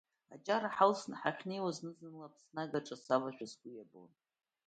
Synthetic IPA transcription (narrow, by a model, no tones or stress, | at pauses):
a̰t͡ʃʼaɾaħalsnħaχʲne̞jwaznɨzɨnlapʰsnaɡaʈ͡ʂʼasavaʒʷᶣasɡʷijabo̰n